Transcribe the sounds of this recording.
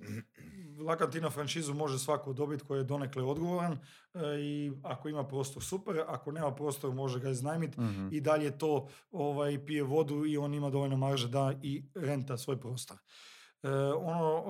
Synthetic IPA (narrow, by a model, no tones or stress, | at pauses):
lˠakant̪inafɾant͡ʃizumo̞ʒesʋakod̪o̞bit̪ko̞jijed̪o̞nekleo̞d̪ɡo̞ʋoɾan | iakoimapɾo̞ːst̪oɾsupeɾako̞neːmapɾoːst̪o̞ɾmo̞ʒeɡaiznajmit̪id̪aʎet̪o̞ːoʋajpijeʋo̞d̪uio̞ːnimad̪o̞ʋo̞lʲnomaɾʒed̪aiɾe̞nt̪asʋo̞jpɾo̞ːst̪oɾ | o̞no